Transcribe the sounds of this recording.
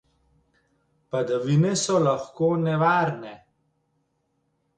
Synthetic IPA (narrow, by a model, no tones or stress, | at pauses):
pad̪aʋinɛsɔlaxkoːnɛʋaːɾnɛ